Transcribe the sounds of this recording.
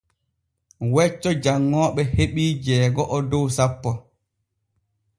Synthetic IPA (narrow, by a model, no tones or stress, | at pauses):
wɛt͡ʃːɔd͡ʒaŋːɔːɓɛheɓiːd͡ʒɛːɡɔʔɔdɔwsapːɔ